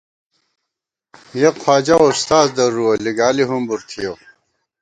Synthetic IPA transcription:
jeqʰwaːd͡ʑaust̪aːzd̪ɐɾuɐliɡaːliɦumbuɾt̪ʰijo

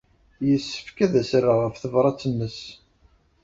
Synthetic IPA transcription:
jəsːə̥fkæðæsrːaʁəfθəvɾˤɑt͡sːənːəs

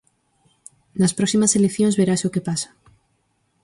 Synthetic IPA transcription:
naspɾoksimaselekθjonzβeɾasokepasḁ

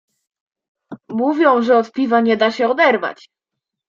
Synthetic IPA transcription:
muvʲjɔ̃w̃ʐɛɔt̪pʲivaɲɛd̪aɕɛɔd̪ɛɾva̰t͡ɕ

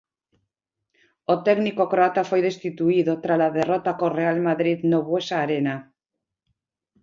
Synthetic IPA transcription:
ot̪eɣnikokɾoat̪afo̞jð̞e̞st̪it̪uiðot̪ɾalað̞erot̪akore̞almaðɾiðnoβwesaːɾena

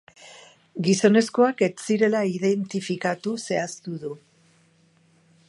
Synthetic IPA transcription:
ɡiso̞ne̞sko̞ake̞t͡siɾe̞laiðent̪ifikat̪use̞ast̪uðu

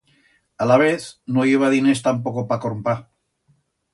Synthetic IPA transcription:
alaβ̞eθnoiβ̞aðinest̪ampokopakoɾmpa

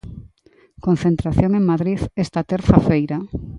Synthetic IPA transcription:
kon̟θent̪ɾaθjoŋeŋmaðɾiðest̪at̪eɾθafejɾa

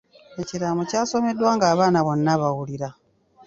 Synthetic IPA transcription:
e̞ciɾamucaːso̞me̞dwaːŋɡaːβaːnaβo̞nːaβawuliɾa

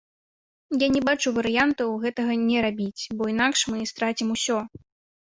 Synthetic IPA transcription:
janʲɛbat͡ʂuvɐɾɨjant̪ɐwɣɛt̪ɐɣɐnʲɛɾabʲit͡sʲbɔinakʂmɨst̪ɾat͡sʲimusʲɔ

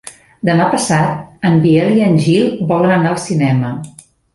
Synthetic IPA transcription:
d̪əmapəsat̪̚əmbiɛliənʲʒilˠbɔlənənaəlˠsinɛmə

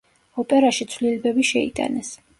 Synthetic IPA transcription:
ɔpʼɛɾaʃit̪sʰlilɛbɛbiʃɛḭt̪ʼa̰nɛs

